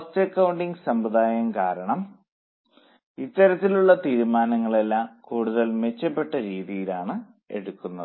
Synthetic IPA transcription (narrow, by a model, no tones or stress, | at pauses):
ɐstɐkːɐwɳɖiŋɡɨsɐmbɐd̪aːjɐmkaːɾɐɳɐm | it̪ːɐɾɐt̪ːiluɭːɐt̪iːɾumaːnɐŋːɐɭe̞lːaːmkuːɽuðɐlme̞t͡ɕːɐpːe̞ʈːɐɾiːðijilaːɳɨ | e̞̰ɽukːunːɐðɨ